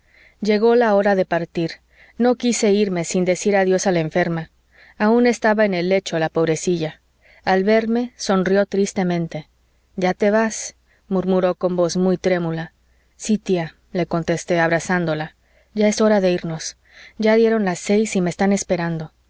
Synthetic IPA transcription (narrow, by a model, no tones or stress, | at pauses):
ʝe̞ɣo̞lao̞ɾaðe̞paɾt̪iɾ | no̞kise̞iɾme̞sind̪e̞siɾaðjo̞salaeɱfe̞ɾma | aũne̞st̪aβaene̞lːe̞t͡ʃo̞lapo̞βɾe̞siʝa | alβe̞ɾme̞so̞nrjo̞t̪ɾist̪e̞mẽnt̪e̞ | ɟ͡ʝat̪e̞βas | muɾmuɾo̞ko̞mbo̞zmujt̪ɾe̞mula | sit̪ia | le̞ko̞nt̪e̞st̪e̞aβɾasand̪o̞la | ʝae̞so̞ɾaðe̞iɾno̞s | ɟ͡ʝaðje̞ɾo̞nlase̞jsimeːst̪ane̞spe̞ɾand̪o̞